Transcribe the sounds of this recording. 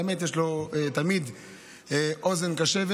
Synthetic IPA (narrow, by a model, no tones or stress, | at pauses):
emet̪jeʃlo̞et̪amid̪ | eʔo̞ze̞nkaʃeve